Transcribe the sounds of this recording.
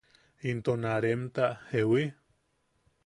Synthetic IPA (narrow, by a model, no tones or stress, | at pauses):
int̪onaɾemt̪ahewi